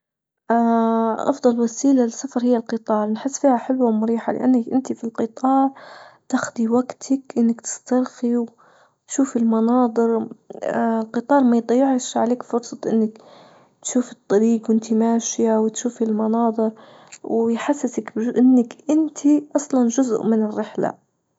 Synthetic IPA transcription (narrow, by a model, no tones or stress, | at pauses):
ʔaʔɑ̰fd̪ˤɑlwasiːlalɪsːafɑɾˤhɪjːalqɨt̪ˤɑːɾˤnħɪsːfiːhaħɪlwamʊɾiːħa̰lɪ̰ʔa̰nːakʔɪnt̪ifilqɨt̪ˤʰɑːɾˤt̪axd̪iwaɡt̪ʰakʔɪnːakt̪ɪ̥st̪ɑɾˤxiw | t̪ʃuːfɪlmɑnɑːd̪ˤɨɾ | lqɨt̪ˤɑːɾˤmajd̪ˤɑjːɪʕɪʃʕaleːkfʊɾsˤɑt̪ˤʔɪnːak | t̪ʃuːfɨt̪ˤːɑɾiːqwʔɪnt̪ʰimaːʃjawt̪ʃuːfilmɑnɑːd̪ˤɨɾ | wjħasːɪsakbʔɪnːakʔɪnt̪ʰiʔɑsˤlɑnʒʊz̰ʔmɪnɪrːɪħla̰